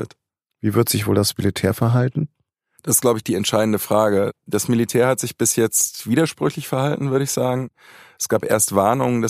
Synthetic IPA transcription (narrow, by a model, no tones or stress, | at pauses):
ət | viːvɪɐtz̥ɪçv̥oːldasmilitʰɛːɐfɛɐɦaltn̩ | d̥asɪst̚ɡ̥laʊbəɪçd̥iːɛntʃaɪdn̩dəfʁ̥aːɡəd̥asmilitʰɛːɐhatz̥ɪçb̥ɪsjɛt͡stv̥iːdɐʃpʁ̥ʏçlɪçfɛɐhaltn̩vʏɐɾəɪçz̥aːɡŋ̩ | ɛsɡ̥aːpʔḛːɐstv̥aɐnʊŋənda